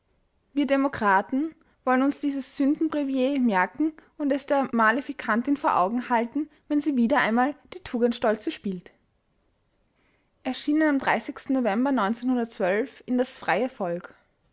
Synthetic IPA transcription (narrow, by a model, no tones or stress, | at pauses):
viːɐdemokʁ̥aːtn̩ | vɔlənʊnsd̥iːzəsz̥ʏndn̩bʁivjeːmɛɐkŋ̩ʊntɛsd̥eːɐmalifikʰantɪnfoːɐʔa̰ʊɡŋ̩haltn̩vɛnziːviːdɐʔa̰ɪnmaːld̥iːtʰuːɡəntʃtɔlt͡səʃpiːlt | ʔɛɐʃiːnənamdʁa̰ɪsɪçstn̩novɛmbɐnɔʏnt͡senhʊndɐt̚t͡sv̥œlfɪndasfʁ̥aɪəfɔlk